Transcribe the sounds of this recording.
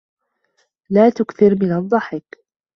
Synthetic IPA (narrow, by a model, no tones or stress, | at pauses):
laːt̪ʊkθɪɾmɪnɑd̪ˤːɑħɪk